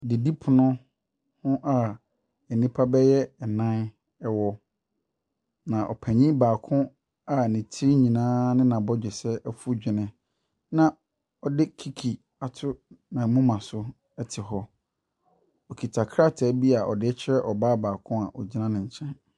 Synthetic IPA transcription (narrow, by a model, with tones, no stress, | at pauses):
dɪ˨di˦pʰʊ˨nʊ̃˦ | hʊ̃˦ʔa˨ | ɛ˨nĩ˦pʰa˦bɛ˦jɛ˦ɛ˨nã˦n | ɛ˦wɔ˦ | nã˨ʔɔ̰˨pʰæ̃˨ɲĩ˦baː˨kʰʊ̃˦ | a˨nĩ˨tʰi˦ɲĩ˨nãː˦nɪ̃˦nã˨bɔ˦d͡ʑᶣɪ˨sɛ˦ɛ˦fu˦d͡ʑᶣɪ˨nɪ̃˨ | nã˨ | ɔ˨dɪ˦kʰi˨kʰi˨ | a˨tʰʊ˦nã˨mʊ̃˦mã˨sʊ˦ | ɛ˦tʰɪ˨ɦɔ˦ | ɔ˨kʰi˨tʰa˨kʰɾa˦˨tʰɛ˦bi˦a˨ʔɔ̰˨dɪ˦ɛ˦t͡ɕʰɛ˦ʔɔ˨baː˦baː˨kʰʊ̃˦a˨ʔɔ˨d͡ʑi˦nã˦nɪ̃˨ɲ̩˨t͡ɕʰɛ̃˦n